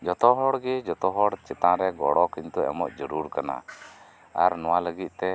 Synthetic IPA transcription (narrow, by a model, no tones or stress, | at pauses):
d͡ʒɔt̪ɔɦɔɽɡɛd͡ʒɔt̪ɔɦɔɽt͡ʃɛt̪ãɾɛɡɔɽɔkint̪uɛ̰mɔ̰ʔd͡ʒɔɾuɾkana̰ | aɾnɔwaləɡit̪̚ˀt̪ɛ